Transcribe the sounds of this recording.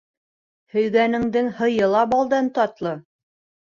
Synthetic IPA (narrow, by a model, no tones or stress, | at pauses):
hɵ̆jɡænɘ̆ŋd̪ɘŋhɤ̆jɤ̆lˠɑbɑlˠd̪ɑnt̪ɒt̪lˠɤ